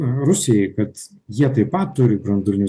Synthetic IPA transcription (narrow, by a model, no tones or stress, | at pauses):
ɐɾʊsʲɪjɛɪkɐt̪ | jiɛt̪ɐɪpɐt̪tːʊɾʲɪbɾɐnd̪ʊlʲɪnʲu